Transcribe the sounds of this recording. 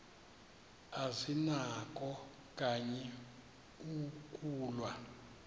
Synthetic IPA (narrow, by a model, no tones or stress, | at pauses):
azinak̬ʼɔ | kʼaɲɛ | ukʼuːlwa